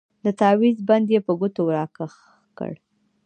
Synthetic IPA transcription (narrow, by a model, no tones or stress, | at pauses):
d̪ət̪ɑwizband̪jepəɡʊt̪owɾɑkəx | kə̰ɽ